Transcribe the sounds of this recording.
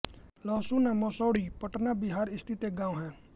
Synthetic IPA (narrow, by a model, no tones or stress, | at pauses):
lɔːsunãːmɔːsɔːɽiːpəʈnaːbɪɦaːɾɪst̪ʰɪt̪eɡãːõɦɛ̃ː